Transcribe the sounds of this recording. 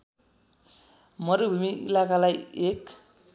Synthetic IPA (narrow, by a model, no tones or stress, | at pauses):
mʌɾubʱumiʔḭlakalajek